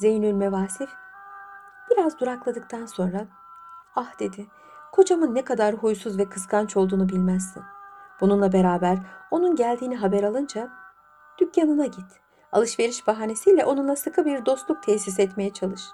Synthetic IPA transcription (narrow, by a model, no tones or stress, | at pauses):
ze̞jynylʲmevaːsif | b̥iɾazd̪uɾaklˠad̪ɯk̚t̪ʰanso̞nɾa | ahd̪̥e̞d̪ɪ | kʰo̞d͡ʒamɯnːɛkʰad̪aɾɦujsuzvɛkʰɯskʰant͡ʃʰo̞lˠd̪uːnubilʲmæz̥ːʰḭnb̥ununlˠabe̞ɾaːbæɾo̞nunɟælʲd̪iːniɦabɛɾalˠɯnd͡ʒa | d̪̥ycjanɯnaɟit̪ | a̰lˠɯʃve̞ɾiʃbaɦaːne̞sijlʲɛʔo̞nunˠasɯkʰɯbiɾd̪o̞st̪lˠuk̚t̪ʰesis̬ɛt̪me̞jɛt͡ʃʰalˠɯʃ